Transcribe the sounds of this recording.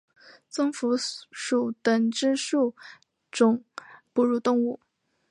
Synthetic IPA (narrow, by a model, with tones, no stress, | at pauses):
t͡sɤ˥ŋfu˧˥ʂu˨˩t̪ə˨˩ŋʈ͡ʂɻ̩˥ʂu˥˩ | ʈ͡ʂʊ˥ŋpu˨˩ɻu˥˧t̪ʊ˥˧ŋu˥˩